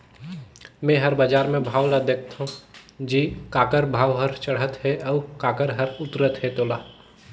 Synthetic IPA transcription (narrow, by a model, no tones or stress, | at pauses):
mɛ̃ɦəɾbad͡ʒaːɾmẽbʱaːwlad̪eːk̚ʰt̪ɦũd͡ʒiːkaːkəɾbʱaːʋɦəɾt͡ʃəɽɦət̪ɦɛʔɔːkaːkəɾɦəɾʊt̪ɾət̪ɦɛt̪oːlaː